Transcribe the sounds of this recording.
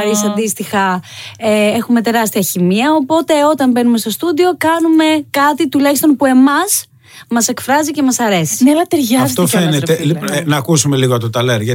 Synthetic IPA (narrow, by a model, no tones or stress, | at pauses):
ɾisɐnd̪ist̪ixɐee̞xume̞t̪e̞ɾɐst̪iɐçimiɐo̞po̞t̪e̞o̞t̪ɐmbe̞nume̞st̪o̞st̪ud̪io̞kɐnume̞kɐt̪it̪ulɐçist̪o̞npue̞mɐs | mɐse̞kfɾɐzice̞mɐsɐɾe̞si̥neɐlɐt̪eɾʝɐft̪ofenet̪einɐːkusume̞liɣoɐt̪ot̪ɐleɾʝɐ